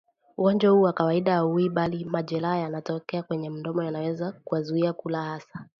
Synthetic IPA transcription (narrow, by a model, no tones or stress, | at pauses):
uɡɔnd͡ʒahuːwakawaiɗaauiɓalimaʄɛlajanatɔkɛakwɛɲɛm̩ndɔmɔjanawɛzakuwazuiakulahasḁ